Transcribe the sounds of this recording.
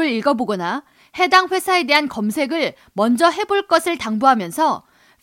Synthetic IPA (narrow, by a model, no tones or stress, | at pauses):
ɯɾiɭɡʌboɡʌna | he̞daŋɸwesʰae̞de̞ɦankʌmsʰe̞ɡɯɭ | mʌnd͡ʑʌɦe̞boɭk͈ʌsʰɯɭtaŋbuɦamjʌnsʰʌ